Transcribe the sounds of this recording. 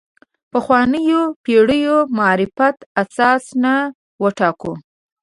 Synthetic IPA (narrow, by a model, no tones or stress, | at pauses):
pəxwɑnəjopeɽəjomaːɾɪfat̪asɑsna | wəʈɑko